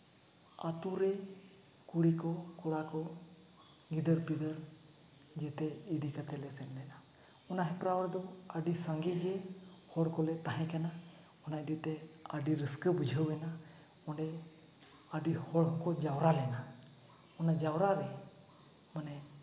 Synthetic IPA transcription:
at̪uɾɛ | kuɽikɔkɔɽakɔ | ɡid̪əɾpid̪əɾ | d͡ʒɛt̪ɛid̪ikət̪ɛlɛsɛnlɛna | ɔnaɦɛpɾawəɽd̪ɔ | aɖisaŋɡid͡ʒɛ | hɔɽkɔlɛt̪aɦɛ̃kɛna | ɔnaidit̪ɛ | aɖiɾəskəbud͡ʒʱəwɛna | ɔɖɛ | aɖihɔɽɦɔkɔd͡ʒawɾalɛna | ɔnad͡ʒawɾaɾɛ | manɛ

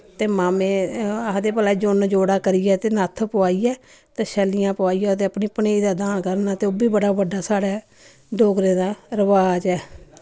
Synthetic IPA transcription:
t̪eːmaːmẽːad̪eːpəlaːid͡ʒʊnd͡ʒoːɽaːkəɾijɛːt̪eːnət̪ʰːpʊaːiːɛː | t̪eːʃɛːlɪjãːpʊaːijaːt̪̬eːəpniːpəneːid̪aːd̪aːnkəɾnaːt̪eːoːbiːbəɽaːbəɖaːsaːɽɛː | ɖoːɡɾeːd̪aːɾəʋaːd͡ʒɛː

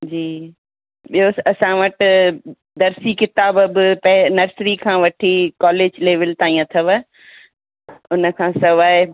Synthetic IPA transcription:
d͡ʑiː | ɓioɐsãʋɐʈ | d̪ɐɾsikɪt̪aːbbpɐɪnɐɾsɾikʰãːʋɐʈʰikɔːleːd͡ʑleːʋəlt̪aːĩãt̪ʰɐʋə | ʊnə̆kʰãːsɐʋaːɦɪ

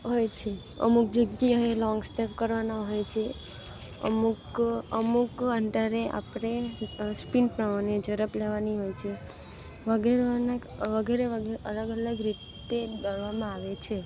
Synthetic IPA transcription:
ɦojt͡ʃʰe | ə̰muk̚d͡ʒəɡiaelɔ̃ŋɡsʈepkəɾʋanaɦojt͡ʃʰe | ə̰mukəmukənd̪aɾeʔa̰pɽespinpɾəmaɳed͡ʒəɾəpleʋaniɦojt͡ʃʰe | ʋəɡeɾanaʋəɡeɾeʋəɡʔələɡələɡɾit̪ | ed̪əɭʋamãaʋet͡ʃʰe

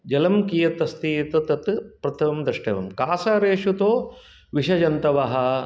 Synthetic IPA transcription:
d͡ʒɐlɐmkiːjɐt̪ɐst̪iːt̪ɐt̪ɐt̪pɾɐt̪ʰɐmd̪ɾɐʂʈḛːʋɐmkaːsaːɾeːʂut̪oː | ʋiʂɐd͡ʒɐnt̪ɐʋɐɦɐ̆

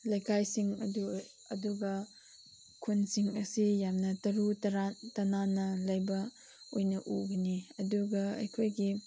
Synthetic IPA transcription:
lɐjkʰajsiŋɐ̰du | ɐ̰duɡɐ | kʰunsiŋɐsijamnɐtɐɾutɐɾatɐnanɐlɐjbɐ | ojnɐʔuɡiniɐduɡɐɐ̰jkʰojɡi

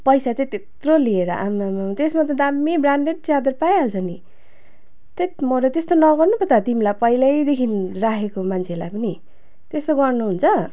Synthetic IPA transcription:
pʌjsat͡saĩt̪et̪rolieɾʌʔa̰mamt̪esmat̪̬ʌd̪amːibraɳɖeɖ̚t͡sad̪ʌrpaeɦʌlt͡sʰʌni | t̪et̪mʌɾʌt̪est̪onʌɡʌrnupʌt̪at̪imlapʌilajd̪ekʰinrakʰekomant͡sʰelajpʌni | t̪est̪oɡʌrnuɦunt͡sʰʌ

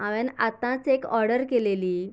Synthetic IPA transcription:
ãʋɛ̃nat̪ãt͡sekɔɾɽəɾkeleliː

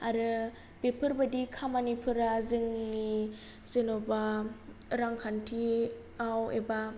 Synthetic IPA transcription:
aɾɯ | b̥epʰɯɾbadikʰamanipʰɯɾazɯŋni | z̥enoba | ɾaŋkʰantʰi | awḛba

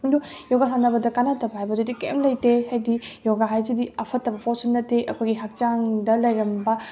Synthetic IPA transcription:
ndujɔɡasanɐbɐdɐkanatɐbɐɦajbɐdudikḛmlɐjtehajdijɔɡaɦajzidiɐpʰɐtːɐbɐpʰosunːɐtːeʔɐkʰojɡiɦak̚t͡ʃaŋdɐlɐjɾɐmbɐ

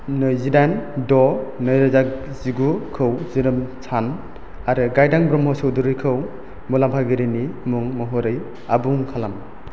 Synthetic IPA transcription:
nɯjzidandɔnɯjɾɯzak | ziɡukʰɯwziɾɯmsʰan | aɾɯɡajdaŋbɾɔmhɔsɯwduɾɯjkʰɯw | mulampʰaɡiɾinimuŋmɯɦɔɾɯj | abuŋkʰalam

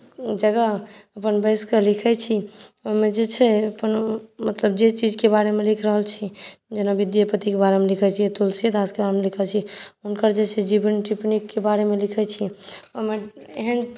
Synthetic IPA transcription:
d͡ʒəɡəəpənbəɪskəlikʰɛt͡ʃʰioɦmed͡ʒet͡ʃʰɛəpənmət̪ləbd͡ʒet͡ʃid͡ʒkebaɾemelikʰɾəɦəlt͡ʃʰid͡ʒenabid̪jəpət̪ikebaɾemelikʰɛt͡ʃʰit̪ulsəd̪askebaɾemelikʰəlt͡ʃʰiunkəɾd͡ʒet͡ʃʰɛd͡ʒibənʈipnikːebaɾemelikʰɛt͡ʃʰioɦmeeɦən

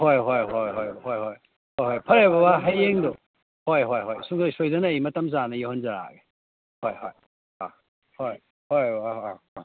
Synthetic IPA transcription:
hojɦojɦojɦojhojɦoj | hojhojpʰɐɾebɐbaɦɐjeŋdo | hojɦojɦojsuŋzojsojdɐnɐjmɐtɐmzanɐjowhɐnzɐɾa̰ɡe | hojhoj | a | hoj | hoj

